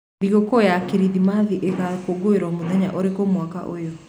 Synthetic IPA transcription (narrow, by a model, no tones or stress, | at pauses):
iɣokɔjakeɾiðimaðiʔekakoɡoeɾɔmoðɛɲa̰ʔɔɾekomwaka̰ʔojɔ